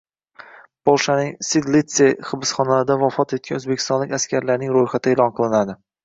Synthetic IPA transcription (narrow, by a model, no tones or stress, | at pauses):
bolˠʃanɪŋsid̪lit̪seχɨbɪsχɒnalɪd̪avɒfɒt̪et̪̚kʲanɵzbekʲʰɪst̪ɒnlɪkʲaskʲʰaɾlaɾnɪŋɾojχat̪ʰɪelˠɒnqʰɨlˠɪnad̪ɪ